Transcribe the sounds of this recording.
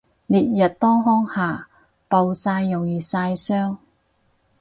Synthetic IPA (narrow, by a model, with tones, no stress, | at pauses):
liː˨t̚jɐ˨t̚t̪ɔː˥ŋɦɔː˥ŋhaː˨˩ | pɐ˨wsaː˧jːʊ˨˩ŋjiː˨saː˧jsœː˥ŋ